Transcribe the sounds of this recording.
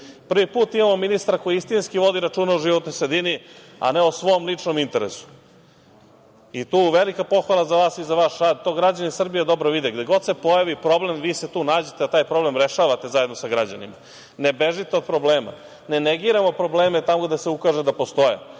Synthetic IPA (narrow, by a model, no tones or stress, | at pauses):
pr̩ʋipuːt̪imamo̞minist̪ɾako̞jiist̪inskiʋo̞d̪iɾaʈ͡ʂuːnauʒiʋot̪nojsɾed̪ini | a̰neosʋo̞omlit͡ʂnomint̪eɾḛsu̥ | it̪uːʋelikapo̞xʋalˠazaʋaːsizaʋaːʃɾaːd̪̚t̪o̞ːɡɾad͡ʑanisr̩bijed̪o̞bɾoʋid̪eɡd̪eɡo̞d̪se̞po̞jaʋipɾo̞ble̞mʋiːset̪uːnaːd͡ʑet̪eat̪aːjpɾo̞blemɾeʃaːʋat̪e̞zajed̪nosaɡɾad͡ʑanḭma | nebeʒit̪eo̞d̪̚pɾobleːma̰ | neneɡiːɾamo̞pɾo̞bleːmet̪amoɡd̪aseukaːʒed̪apo̞st̪o̞jḛ